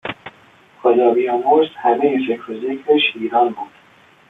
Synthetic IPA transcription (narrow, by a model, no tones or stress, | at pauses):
xod̪ɒːbijɒːmoɾst̪hæmejefekɾozekɾeʃiːɾɒːnbuːd̪̥